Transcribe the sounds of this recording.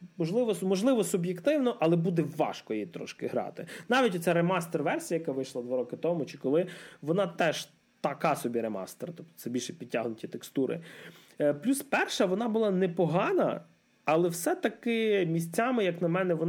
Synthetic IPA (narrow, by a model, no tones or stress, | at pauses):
mɔʒlˠɪʋɔmɔʒlˠɪʋɔsʊbjekt̪ɪwnɔʔɐlˠɛbud̪ɛʋːɑ̰ʃkɔjijt̪ɾɔ̰ʃkɪɦɾɑ̰t̪ɪnɑʋʲitʲɔt̪sɛjremɑst̪erʋɛrsʲijɐjɐkɑʋɪjʃlˠɐd̪ʋaɾɔkɪt̪ɔmʊt͡ʃɪ̥kɔlˠɪʋɔnɑt̪ɛʒ | t̪ɐkɑsɔbʲiɾemɑ̰st̪eɾt̪ɔp̚t̪ɔ̥t̪sɛbʲilʲʃɛpʲid̚ʲtʲːaɦnʊtʲit̪ekst̪uɾɪ̰ | plʲuspɛrʃɐʋɔnɑbʊlˠɑnɛpɔɦɑnɐ̰ː | lˠɛwsɛt̪ɐkɪmʲisʲt͡sʲamɪjɐknɐmɛnɛʋɔn